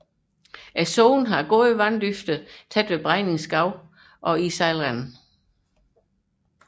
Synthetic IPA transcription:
ʔæsoʊnɦɑ̈ɡ̥o̝ðˠəʋænd̥yfd̥ət͡sʰæd̥ʋe̝b̥ʁɑ̈ɪne̝ŋsɡ̥ɑ̈ʊ̰ | ʔɒ̽isɑɪlʁæn

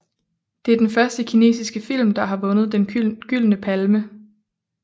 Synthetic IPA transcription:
d̥e̝æɐd̥enfɶɐsd̥əkʰine̝̰ːsisɡ̥əfil̰md̥ɑ̈ɦɑ̈ʋɔ̽nəð̞ˠd̥enɡ̥yl̰nəpʰælmə

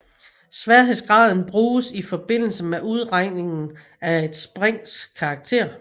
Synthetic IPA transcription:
sʋæɐɦeð̰ˠsɡ̥ʁɑ̈ð̞ˠn̩b̥ʁuːsifɒ̽b̥e̝n̰l̩səmeʔuð̞ˠʁɑ̈ɪ̰ne̝ŋn̩ | æe̝d̥sb̥ʁɛŋ̰skʰɑ̈ːɡ̥̚t͡sʰe̝̰ɐ̰

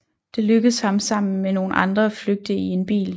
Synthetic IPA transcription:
d̥e̝løɡ̥ð̩ˠshɑ̈msɑ̈m̰n̩meno̝ːn̩ʔɑ̈nd̥ʁɐfløɡ̥̚d̥əie̝nb̥ḭːl

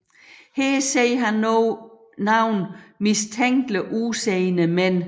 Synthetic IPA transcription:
heseɪɦɑnɔ | nɑ̈ʊ̰nmist͡sʰeŋ̰ɡ̥ləʔuseɪnəmen̰

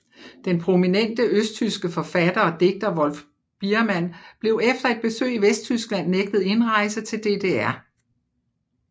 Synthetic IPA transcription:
d̥enpʰʁo̝minen̰d̥əøsd̥̚t͡sʰysɡ̥əfɒ̽fæd̥ɐɒ̽d̥e̝ɡ̥̚d̥ɐʋɒ̽lf | b̥iɐmæn̰b̥le̝ʊefd̥ɐe̝d̚b̥e̝sø̰ːiʋesd̥̚t͡sʰysɡ̥læn̰ːeɡ̥̚d̥ð̩ˠe̝nʁɑ̈ɪsət͡sʰe̝ld̥e̝d̥e̝æɐ

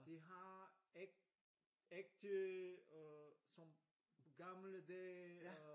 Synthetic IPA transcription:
d̪eɦãɛk | ɛk̚t̪ | sɔ̃ | ɡamləd̪ɛ

